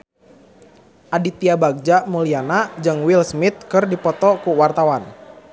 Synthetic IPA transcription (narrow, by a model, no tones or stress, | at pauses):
ʔadit̪iabaɡ̚d͡ʒamulianad͡ʒɨŋwilsmit̪̚kɨrdipɔt̪ɔkuwart̪awan